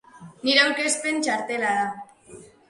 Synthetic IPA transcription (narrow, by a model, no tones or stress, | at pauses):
niɾeawke̞spe̞nt͡ʃaɾt̪e̞laða